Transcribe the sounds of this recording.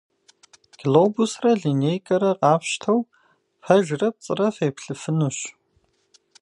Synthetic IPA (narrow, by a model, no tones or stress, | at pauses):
ɡʰloːbusrɐɮinejkʼɐɾɐqʼɑːpʃtʰɐw | fɐʒrɐp̚t͡sʼɨrɐfejpɬɨfɨnuɕ